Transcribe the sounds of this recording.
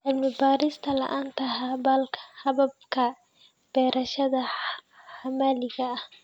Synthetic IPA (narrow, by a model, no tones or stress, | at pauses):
ʕɪlmɪbaːɾɪst̪ʰɐlɐ̰ʔaːnt̪ʰɐɦaβɐlkʰɐ̥hɐβɐb̚kʰɐ | b̥ɛːɾʔɐʃɐðɐ | ħamaːlɪɣɐːh